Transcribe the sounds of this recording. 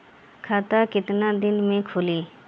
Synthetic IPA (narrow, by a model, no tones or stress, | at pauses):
kʰaːt̪aːkɪt̪naːd̪ɪnmẽːkʰʊliː